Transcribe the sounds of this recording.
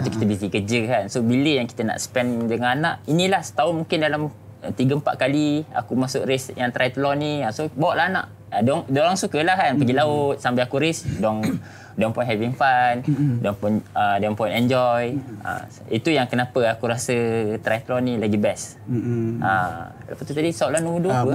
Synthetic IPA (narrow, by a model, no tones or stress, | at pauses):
at̪uki̥t̪əbisikəd͡ʒəkansobiləjaŋki̥t̪əna̰ʔsə̥pɛndəŋananaʔinĩlahsə̥t̪aʊnmũŋkɪndalam | ət̪iɡəəmpa̰ʔkalia̰kumasʊʔɾɪsjaŋt̪ɾajt̪lɔniasobawaʔlaɦana̰ʔ | adɔŋdəɾaŋsukəlahkanpəɡilaʊt̪̚sampaakuɾɪsdɔŋ | dɔŋpɔjnɦɛviŋfandɔŋpɔnədɔŋpɔjnɛnd͡ʒɔja̰ | it̪ujaŋkənapəakuɾasət̪ɾajt̪lɔnilaɡibɛs | a | alapat̪ut̪adisauʔlanuuduə